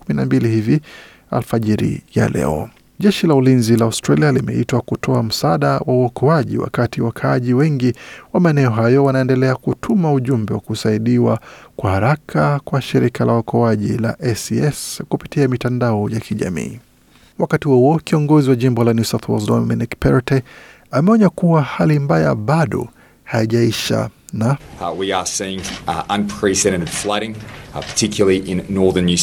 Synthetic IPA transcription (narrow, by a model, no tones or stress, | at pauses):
kuminambilihivi | a̰lfaʄiɾḭja̰lɛ̰ɔ̰ | ʄɛʃilaulinzilaastɾalialimɛ̰itwakutʰɔam̩saɗawʔauɔkʰɔaʄḭwa̰katiwakʰaaʄiwɛŋɡiwamaɛnɛɔɦajɔwanaɛndɛlɛakutʰumauʄumbɛwa̰kusaiɗiwakwahaɾakʰakwaʃiɾikʰalawɔkʰɔaʄila̰ʔɛsiɛskupitiamitandaɔjakiʄa̰mḭː | wakatihuuɔkiɔŋɡɔziwaʄimbɔlanjusaθwɔlzdɔminikpɛɾtɛ | amɛɔɲakuwahalimbaja̰ɓaɗɔ̰ | hajiʄaiʃa̰nawiəsiɪ̃ŋə̃npʰɹ̥izɛɾɨɾɨd̥flaɪɾɪ̃ŋpʰə̥tʰɪkjl̩ˠəiʔɪ̃nːɔɹðə˞njʉ